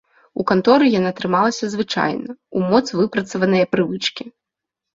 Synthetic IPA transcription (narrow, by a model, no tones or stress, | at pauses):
ukant̪ɔɾɨjanat̪ɾɨmalˠɐsʲɐzvɨt͡ʂa̰jnɐumɔt̪svɨpɾɐt̪sɐvɐnɨjɐpɾɨvɨt͡ʂkʲi